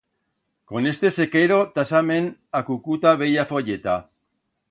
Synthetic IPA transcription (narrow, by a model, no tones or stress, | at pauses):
ko̞ne̞st̪e̞sekeɾo̞t̪asame̞nakukut̪aβe̞jafoʎet̪a